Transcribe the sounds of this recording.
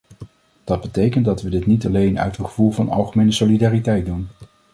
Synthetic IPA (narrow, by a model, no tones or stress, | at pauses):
d̥ɑd̚bətejkəndɑtʋədɪtnitɑlejnœ̰ɥtənχəv̥ulˠvɑnɑ̰lˠχəmejnəsolidaːritɛjt̚dun